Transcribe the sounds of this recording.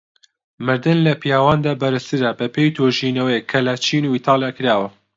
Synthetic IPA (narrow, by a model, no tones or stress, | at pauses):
mɨɾd̪ɨnlɐpijaːwaːnd̪aːbɐɾɨst̪ɨɾɐbɐpʰeːjt̪ʰoːʒiːnɐwejkʰɐlɐt͡ʃʰiːnuiːt̪ʰɑːlˠjaːkɨɾaːwɐ